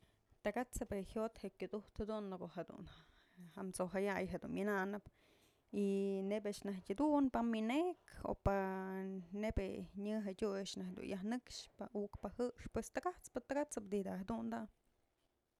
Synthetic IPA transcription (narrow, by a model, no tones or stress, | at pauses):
t̪aɡat͡sɨpehjot̪hekʲud̪uht̪had̪unːkoʔhed̪ṵna | hamt͡soɦajajɦed̪unmʲɨnaʔnɨp | inebaʔʂnahtʲad̪unpamineʔko̰pa | nebeɲɨɦedʲujaʔʂnahd̪ṵnjahnɨkʂpaukpahɨʂpwest̪aɡat͡spɨt̪aɡat͡sɨp̚d̪id̪aɦad̪und̪a